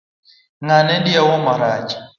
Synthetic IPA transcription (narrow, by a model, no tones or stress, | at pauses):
ŋanɛnɗiawɔmaɾad͡ʒḁ